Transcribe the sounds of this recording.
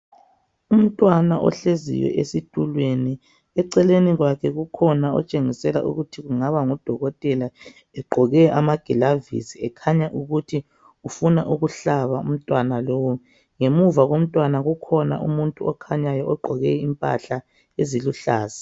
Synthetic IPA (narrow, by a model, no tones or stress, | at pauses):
um̩tʼwanaʔɔ̰ɬezḭjwɛ̰ʔesitʼulweni | ɛǀɛleniɣwakʰɛɣukʰɔnaɔ̰t͡ʃʼeŋisɛla̰ʔṵɣutʰiɣuŋaβaŋɔd̥ʱɔɣɔtʼɛla | ɛɡ͡ǃʱɔɣɛamaɡ̥ʱɛlavḭsiɛkʰaɲaʔuɣutʰi | ufunaʔuɣuɬaβaum̩tʼwanalowu | ŋemuvaɣom̩tʼwanaɣukʰɔna̰ʔṵmuntʼuɔkʰaɲajɔɔɡ͡ǃʱɔɣɛimpʼa̰ɬa | eziluɬaːzḁ